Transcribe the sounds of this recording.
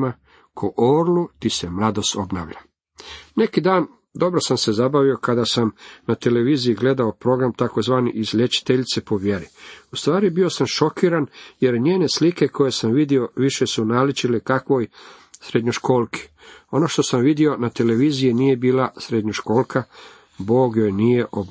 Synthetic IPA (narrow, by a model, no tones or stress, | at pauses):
ma | kʰoʔoːɾlut̪ise̞mlˠad̪o̞st̪o̞bna̰ːʋʎa | ne̞kid̪aːn | d̪o̞bɾo̞samse̞zabaʋio̞kad̪asamnat̪e̞le̞ʋiːzijiɡle̞d̪aopɾo̞ɡɾamt̪ako̞zʋaːniʔizʎʲet͡ʃi̥t̪eʎit̪sepo̞ʋje̞ɾiust̪ʋaːɾibio̞samʃo̞kiːɾanje̞ɾɲeːne̞slike̞kʰo̞je̞samʋid̪io̞ʋiʃe̞sunaːlit͡ʃilekakʋo̞j | sɾed̪ɲoʃko̞ːlki̥ | o̞no̞ʃt̪o̞samʋid̪io̞nat̪e̞le̞ʋiːzijinije̞biːlasɾed̪ɲoʃko̞ːlˠkʰa | bo̞ːɡjo̞jnije̞ʔob